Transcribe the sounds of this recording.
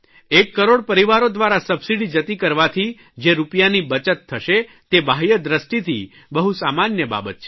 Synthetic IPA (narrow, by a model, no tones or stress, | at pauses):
ekːəɾoɽpəɾiʋaɾod̪ʋaɾasəbsiɽid͡ʒət̪ikəɾʋat̪ʰi | d͡ʒeɾupjanibət͡ʃət̪ʰːəʃe | t̪ebajəd̪ɾəsʈit̪ʰi | bəɦusamanjəba̰bət̪̚t͡ʃʰe